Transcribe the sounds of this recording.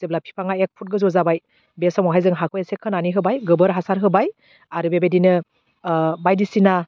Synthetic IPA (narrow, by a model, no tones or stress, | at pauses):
z̥eblapʰi̥pʰaŋaek̚pʰut̚ɡɯzɔzabaj | besɔmɔɦajzɯŋɦakʰɯjesekʰɯnaniɦɯbajɡɯbɯɾɦasaɾɦɯbaj | aɾɯbebedinɯ | bajdisina